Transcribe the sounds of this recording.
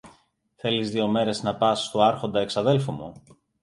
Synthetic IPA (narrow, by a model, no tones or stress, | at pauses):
θe̞lizðio̞me̞ɾe̞znɐpɐsːt̪oɐɾxo̞nd̪ɐeksɐðe̞lfumṵ